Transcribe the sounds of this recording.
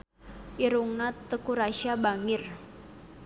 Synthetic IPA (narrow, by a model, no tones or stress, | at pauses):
ʔiɾuŋnat̪ːəkuɾaʃiabaŋɪr